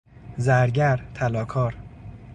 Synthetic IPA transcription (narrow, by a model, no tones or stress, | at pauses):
zæɾɟæɾt̪ʰælɒːkʰɒːɾ